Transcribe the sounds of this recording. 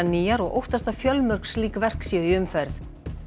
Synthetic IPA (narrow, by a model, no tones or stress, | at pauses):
aniːjaɾɔɣʔo̰wht̪ast̪afjœlmœr̥ksliːkvɛr̥ksjɛðiʏmfɛɾθ